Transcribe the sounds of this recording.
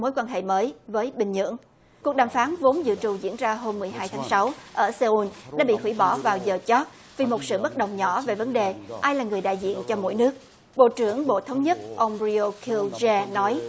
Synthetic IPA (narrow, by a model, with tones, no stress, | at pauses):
mo˨˦jkwaː˧nɦḛ˧˨məː˨˦jvəː˨˦jɓï˨˩ŋ̟ɲɨ̰˧˥əŋ | ku˨˩ək̚ɗaː˨˩mfaː˨˦nvo˨˦nzɨ̰˧˨t͡ɕu˨˩zḭ˧˥ənzaː˧ɦo˧mːɨ˨˩əjɦaː˧jt̪ʰaː˨˦ŋsa˨˦wʔəː˧˩sə˧ʔu˧nɗa̰ː˧˥ɓḭ˧˨hwi˧˩ɓɔ˧˩vaː˨˩wzəː˨˩t͡ɕɔ˦˥t̚ | vi˨˩mo˨˩t̚sɨ̰˧˨ɓə˦˥t̚ɗə˨˩wŋ͡mɲɔ˧˩ve˨˩və˨˦nɗe˨˩ʔaː˧jlaː˨˩ŋɨ˨˩əjɗa̰ː˧˨jzḭ˧˨ənt͡ɕɔ˧mo̰˧˥˨jnɨ˦˥ək̚ | ɓo̰˧˨t͡ɕɨ˧˩əŋɓo̰˧˨t̪ʰə˨˦wŋ͡mɲə˦˥t̚ʔə˧wŋ͡mzi˧o˧kʰi˧wzɛ˧nɔ˨˦j